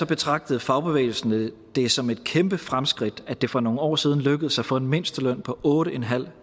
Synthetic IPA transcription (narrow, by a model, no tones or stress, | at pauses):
sɒ̽b̥e̝t͡sʰʁɑ̈ɡ̥̚d̥əð̩ˠfɑ̈ʊb̥e̝ʋḛːl̩sn̩ə | d̥e̝sɒ̽me̝d̥̚kʰemb̥əfʁamsɡ̥ʁid̥æd̥e̝fɒ̽no̝ːŋ̩ɒ̰ːsiːð̞ˠn̩løɡ̥əð̩ˠsɑ̈ɪfɒ̽enme̝n̰sd̥əlœn̰pʰɒ̽ʔɔ̽ːɾəenɦæl̰